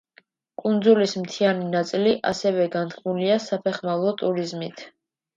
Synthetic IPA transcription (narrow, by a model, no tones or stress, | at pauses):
kʼund̪zulismt̪ʰianinat̪sʼiliʔa̰sɛvɛɡant̪kʰmuliasapʰɛχmavlˠɔt̪ʼuɾizmit̪ʰ